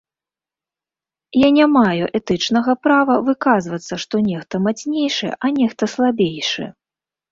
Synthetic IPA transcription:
janʲamajuʔɛt̪ɨt͡ʂnɐɣɐpɾavɐvɨkazvɐt̪sːɐʂt̪ɔnʲɛxt̪ɐmat͡sʲnʲejʂɨ̰ʔanʲɛxt̪ɐslˠabʲejʂɨ̰

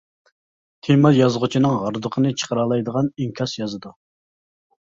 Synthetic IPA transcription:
t̪ʰemɑjɑzʁʊt͡ʃʰinɨŋʁɑɾd̪əqʰənɨt͡ʃʰə̥qʰəɾɑlˠɑjd̪əʁɑniŋkʲʰɑsjɑzɨd̪u

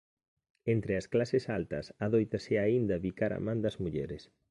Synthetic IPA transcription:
ent̪ɾɪɐsklasɪsalt̪ɐsaðojt̪ɐseaind̪ɐβikaɾɐ̰mãnd̪ɐzmuʎɛɾɪs

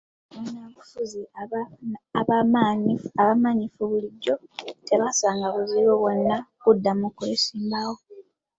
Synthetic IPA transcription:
βunaβufuzi | aβamaɲiaβamaɲifuβuliɟːo̞tʰe̞βasaːŋɡaβuziβoβwo̞nːakudːamukulisiːmbawo

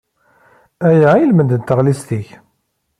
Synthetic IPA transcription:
æjaʕjəlmənd̪ənt̪ːəʁlist̪iç

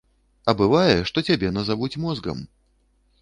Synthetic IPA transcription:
ɐbɨvajɛʂt̪ɔt͡sʲabʲɛnɐzavut͡sʲmɔzɡɐ̰m

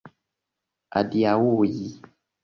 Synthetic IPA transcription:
a̰diawuji

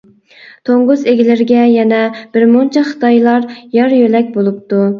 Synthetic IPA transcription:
t̪ʰoŋʁʊzeɡʲilɪɾɡʲɛjɛnɛb̥ɪɾmunt͡ʃʰɛχə̥t̪ʰɑjlˠɑɾjɑɾjølɛkʲbolˠup̚t̪u

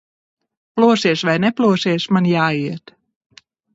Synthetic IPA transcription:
ploəsɪəsʋɛjnɛpluəsɪəsmanjaːiət

